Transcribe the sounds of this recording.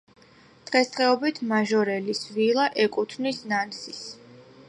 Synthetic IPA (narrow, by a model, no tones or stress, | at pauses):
d̪̥ʁɛst̪ʼʁɛɔbit̪ʰmaʒɔɾɛlisvilˠaʔɛkʼut̪ʰnisnansis